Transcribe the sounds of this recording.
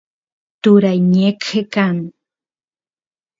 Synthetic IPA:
t̪uɾajɲekekaŋ

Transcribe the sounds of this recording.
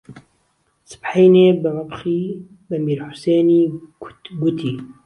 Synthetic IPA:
sɨ̥pħajneːbɨmabxiː | bɐmiːɾħʊ̥seːniː | ɡʊt̪ʰiː

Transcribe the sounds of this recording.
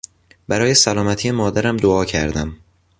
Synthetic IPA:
bæɾɒːje̞sælɒːmæt̪ʰiːjemɒːd̪æɾæmd̪oɒːcʰæ̰ɾd̪æm

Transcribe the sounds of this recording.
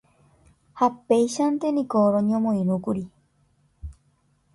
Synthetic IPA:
hapejʃant̪enĩkoɾoɲõmõĩɾũkuɾi

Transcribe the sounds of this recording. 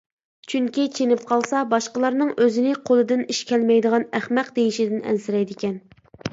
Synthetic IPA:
t͡ʃʰyŋkʲit͡ʃʰenɪp̚qʰɑlˠsɑbɑʃqəlˠɑɾnɨŋøzɪnɪqʰolˠɨd̪ɪniʃkʲɛlmɛjd̪əʁɑnæχmæqd̪ejiʃɪd̪ɪnɛ̰nsɪɾɛjd̪ɪkʲɛn

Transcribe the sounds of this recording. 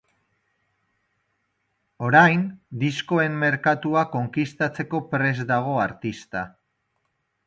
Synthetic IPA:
o̞ɾajnd̪isko̞e̞mːe̞ɾkat̪uako̞ŋkist̪at͡se̞ko̞pɾe̞zd̪aɣ̞o̞aɾt̪ist̪a

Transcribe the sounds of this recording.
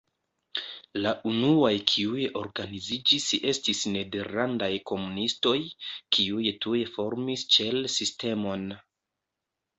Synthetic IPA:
laʔunuajkʰiujeʔo̞ɾɡanizid͡ʒise̞stisne̞deɾlandajko̞munisto̞jkʰiujetujefo̞ɾmist͡ʃe̞lsiste̞mo̞n

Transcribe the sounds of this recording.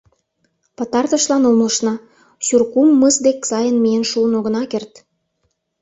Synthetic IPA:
pət̪ɑrt̪əʃlɑnolmoʃnɑ | ɕyrkumːəzd̪eksɑjənmijenʃuənoɣənɑkert̪

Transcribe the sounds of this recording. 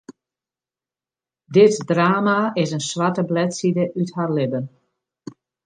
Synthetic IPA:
dɪtdraːmaɪsənswatəblɛtsidəʔytharlɪbən

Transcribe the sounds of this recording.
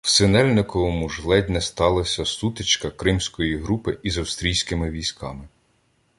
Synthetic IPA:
w̥sɪnɛlʲnɪkɔʋɔmuʒlˠɛd̪ʲnɛst̪ɑlˠɐsʲɐsut̪ɪt͡ʃkɐkɾɪmsʲkɔjiɦɾupɪizɐwst̪ɾʲijsʲkɪmɪʋʲijsʲkʰɑ̰mɪ

